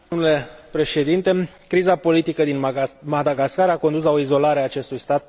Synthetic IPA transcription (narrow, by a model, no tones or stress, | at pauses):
omnule̞pɾe̞ʃe̞d̪int̪e̞ | kɾizapo̞lit̪ikəd̪inmad̪aɡaskaɾako̞nd̪uslao̞izo̞laɾeaːt͡ʃe̞st̪ujst̪at̪̚